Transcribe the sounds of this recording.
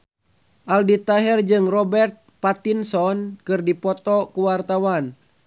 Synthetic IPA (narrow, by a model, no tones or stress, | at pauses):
ʔaldit̪aɦɛrd͡ʒɨŋrɔbɛrt̪̚pat̪insɔnkɨrdipɔt̪ɔkuwart̪awan